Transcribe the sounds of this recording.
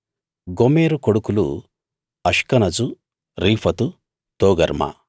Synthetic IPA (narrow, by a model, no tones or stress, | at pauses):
ɡomeːɾukoɽukulṵ | ɐʂkɐnɐd͡ʒu | ɾiːpʰɐt̪u | t̪oːɡɐɾmɐ̰